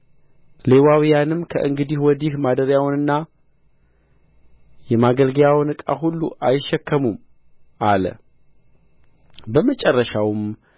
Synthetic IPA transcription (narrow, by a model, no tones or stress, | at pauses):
le̞wawijanɨmːkʰə̰ʔɨŋɡɨd̪ihwɔd̪ihmad̪əɾjawnɨnːa | jɛmaɡəlɡəjawnɨkʼa̰ɦulːṵʔajɪʃːɛkʰːəmum | ʔalə̰ | bəmət͡ʃʼɛrːəʃawm